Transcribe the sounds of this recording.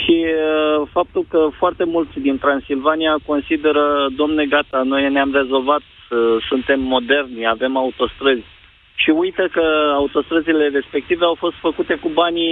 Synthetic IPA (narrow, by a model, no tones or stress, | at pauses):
ʃi | fap̚t̪ulkəfoart̪e̞mult̪sʲd̪int̪ɾansilvaniako̞nsid̪e̞ɾəd̪omneɡat̪ano̞jneamre̞zo̞lvat̪ | əsunt̪e̞mːo̞d̪e̞rnave̞maut̪o̞st̪ɾəzʲ | ʃiujt̪əkəaut̪o̞st̪ɾəzile̞re̞spe̞k̚t̪ive̞awfo̞st̪fəkut̪e̞kubanʲ